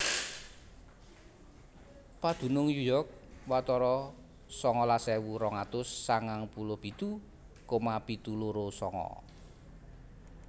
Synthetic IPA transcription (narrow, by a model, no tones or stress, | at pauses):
pad̪̥ṳnʊŋjujɔrk̚wat̪ɔɾɔ | sɔŋɔlasɛwuɾɔŋat̪ʊsːaŋaŋpulʊhb̥i̤t̪u | komab̥it̪uluɾosɔŋɔ̰